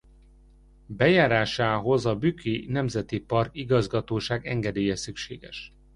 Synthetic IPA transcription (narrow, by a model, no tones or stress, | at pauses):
bɛjaːɾaːʃaːɦo̞zɒbykʰinɛmzɛt̪ipɒrkiɡɒzɡɒt̪oːʃaːɡɛ̰ŋɡɛd̪eːjɛsykʃḛːɡɛ̰ʃ